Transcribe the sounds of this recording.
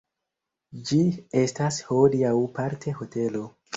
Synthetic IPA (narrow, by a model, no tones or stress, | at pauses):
d͡ʒie̞stasholiawpaɾtʰe̞ho̞te̞lo̞